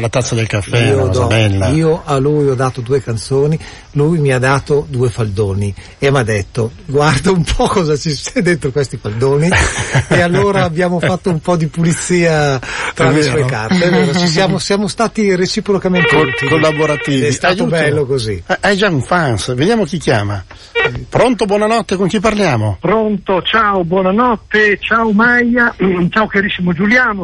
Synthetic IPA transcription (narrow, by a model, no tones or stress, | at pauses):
lat̪at̪sːad̪elkafːiɛːod̪ɔɛlːaiːoʔalujɔd̪aːt̪od̪uːekant̪soːni | lujmiad̪ːaːt̪od̪uːefald̪oːni | emad̪ɛt̪ːoɡward̪aumpʰɔkɔzat͡ʃist͡ʃɛd̪ent̪ɾokwest̪ifald̪oːniealːoːɾaːbjaːmofat̪ːoumpɔd̪ipulit̪siːat̪ɾalːesueka̰rt̪eɛveːɾot͡ʃis̬jaːmosjaːmost̪aːt̪iret͡ʃipɾokament̪ekt̪kolːaboɾat̪iːvɛist̪aj̪ubɛlːokozḭɛʔajd͡ʒauɱfansved̪jaːmok̟ikːja̰ːma̰ | pɾont̪obwɔnanɔt̪ːekoŋkip̬arljaːmopɾont̪ot͡ʃaobwɔːnanɔt̪ːet͡ʃawmajat͡ʃawkaɾisːimod͡ʒuljaːno